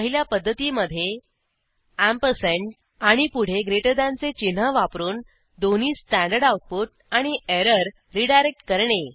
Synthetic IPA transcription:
əɦiljapəd̪ʱːət̪iːməd̪ʱːje | æmpəseɳʈ | aɽ̃ipuɽ̤eɡɾeʈəd̪ãnt͡set͡ɕinɦəʋapɾuːn | d̪oniːsʈæ̃ɳɖəɾɖauʈ̚puʈ̚aɽ̃ieɾəɾ | ɾiɖajɾek̚ʈkəɾɳe

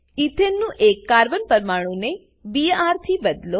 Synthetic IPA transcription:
it̪ʰenːũʔekːaɾbənpəɾmaɽ̃ũne | biaɾt̪ʰibəd̪lo

